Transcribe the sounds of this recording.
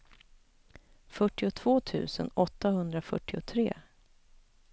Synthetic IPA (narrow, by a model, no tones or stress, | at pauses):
fœʈːɪʊt̪ʰv̥oːt̪ʰʉ̟̰ːsənɔt̪ːahɵnd̪ɾafœ̰ʈːɪʊt̪ʰɾḛː